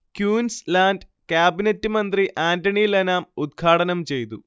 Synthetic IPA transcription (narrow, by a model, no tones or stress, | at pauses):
kjuːnslaːndkjaːbinɐtːɨmɐnd̪riʔʔaːndɐɳijlɐnaːmud̪̚ɡʰʱaːʈɐnɐmt͡ɕe̞jt̪u